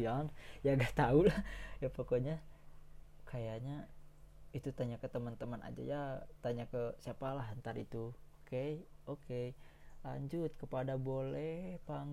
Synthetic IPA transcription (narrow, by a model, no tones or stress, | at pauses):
anjaɡaʔt̪aulahjapokoɲa | kʰajaɲa | it̪ut̪aɲakət̪əmənt̪əməna̰d͡ʒa̰jat̪aɲakəsiapalaɦɦənt̪aɾit̪uokeokela̰ɲd͡ʒʊt̪̚kəpadabolɛhpaŋ